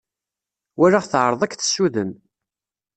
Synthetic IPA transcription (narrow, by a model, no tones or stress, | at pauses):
wæɾaʁθʕəɾˤðˤækθə̥sːuðən